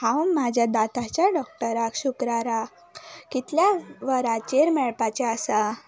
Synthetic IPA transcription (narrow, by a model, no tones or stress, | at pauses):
hãwmːad͡ʑʱjad̪at̪at͡ɕjaɖɔk̚ʈəɾakɕukɾaɾa | kit̪ljaʋəɾat͡ɕeɾmɛɭpat͡ɕeasa